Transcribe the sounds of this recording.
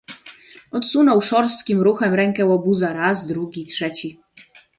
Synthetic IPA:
ɔt̪sunɔwʂɔɾst̪kʲimɾuxɛmɾɛŋkɛwɔbuzaɾazd̪ɾuɡʲitʂɛt͡ɕi

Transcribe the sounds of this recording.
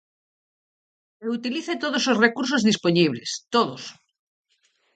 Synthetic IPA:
eut̪iliθet̪oð̞ososrekuɾs̬ozðisponiβ̞lest̪oðos

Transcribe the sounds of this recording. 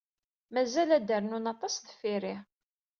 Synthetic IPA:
mæzælæd̪əɾnunɑt̪ˤɑsðəfiɾi

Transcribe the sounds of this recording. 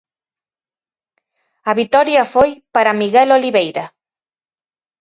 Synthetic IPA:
ɐβit̪ɔɾjɐfojpaɾɐmiɣɛloliβejɾɐ

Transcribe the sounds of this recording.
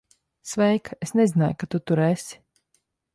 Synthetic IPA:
svɛjkesnɛzina̰jkat̪ut̪uɾesʲi̥

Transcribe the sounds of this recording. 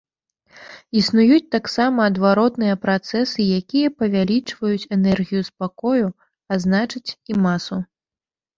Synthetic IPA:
isnujut͡sʲt̪aksamɐːd̪vaɾɔt̪nɨjɐpɾat̪sɛsɨjakʲijɐpɐvʲalʲit͡ʂvɐjut͡sʲɛnɛrɣʲijuspakɔju | aznat͡ʂɨt͡sʲimasu

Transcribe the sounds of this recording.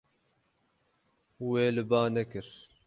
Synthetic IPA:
weːlɨbaːnɛkɨɾ

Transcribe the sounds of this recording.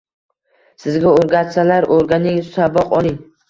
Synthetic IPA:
sɪzɡʲaoɾɡʲat̪salaɾoɾɡʲanɪŋsabɒqɒlˠɪŋ

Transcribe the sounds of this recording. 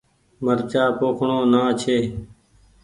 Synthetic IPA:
məɾt͡ʃaːpoːkʰɳoːnaːt͡ʃʰeː

